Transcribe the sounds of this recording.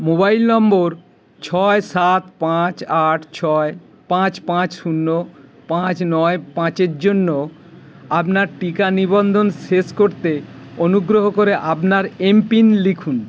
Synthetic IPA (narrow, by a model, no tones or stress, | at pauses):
mobajlnɔmboɾ | t͡ɕʰɔesat̪pãt͡ɕaʈʰt͡ɕʰɔe | pãt͡ɕpãt͡ɕsunːopãt͡ɕnɔepãt͡ɕeɾd͡ʑonːo | apnaɾʈikanibond̪ʱonʃeʃkoɾt̪eonuɡɾoɦokoɾeʔapnaɾempinlikʰun